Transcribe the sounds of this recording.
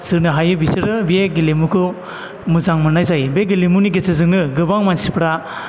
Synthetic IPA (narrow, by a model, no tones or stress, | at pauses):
sɯnɯɦajɯbisiɾɯbieɡilimukʰɯ | muzaŋmɯnajzajbeɡilimuniɡesɯzɯŋnɯɡɯbaŋmansipɾa